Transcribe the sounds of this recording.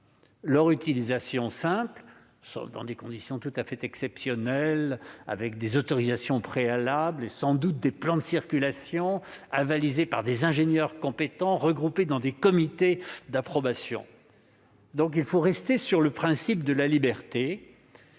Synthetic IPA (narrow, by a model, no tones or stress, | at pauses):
lœʁyt̪ilizasjɔ̃sɛ̃pl | so̰fd̪ɑ̃d̪ekɔ̃d̪isjɔ̃t̪ut̪afɛt̪ɛksɛpsjɔnɛla̰vɛk̚d̪ezɔt̪ɔʁizasjɔ̃pχealablesɑ̃d̪ut̪̚d̪eplɑ̃d̪əsiʁkʲylasjɔ̃avalizepaʁd̪ezɛ̃ʒenjœʁkɔ̃pet̪ɑ̃ʁəɡʁuped̪ɑ̃d̪ekɔmit̪ed̪apχɔbasjɔ̰̃ | d̪ɔ̃k̬ilfoʁɛst̪esyʁləpχɛ̃sip̚d̪əlalibɛʁt̪e